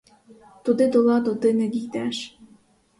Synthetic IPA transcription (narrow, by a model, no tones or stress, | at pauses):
t̪ud̪ed̪olɑd̪od̪emĕɡikt̪æʃ